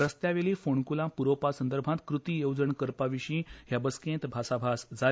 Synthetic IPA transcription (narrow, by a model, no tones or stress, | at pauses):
ɾəst̪jaʋeliːfoɳkulãpuɾopasənd̪əɾbʱãt̪kɾut̪ijowd͡zəɳkəɾpaʋiɕĩːɦjabəskẽnt̪bʱasabʱasd͡za